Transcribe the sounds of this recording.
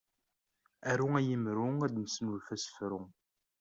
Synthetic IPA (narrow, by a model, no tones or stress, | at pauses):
æɾuæjəmɾuŋæd̪nəsnulfæsə̥fɾʊ